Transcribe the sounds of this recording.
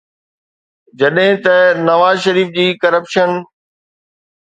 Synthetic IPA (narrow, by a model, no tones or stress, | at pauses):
d͡ʑɐɗɦɪ̃t̪ɐnɐʋaːzʃɐɾiːfd͡ʑiːkɐɾəpʃən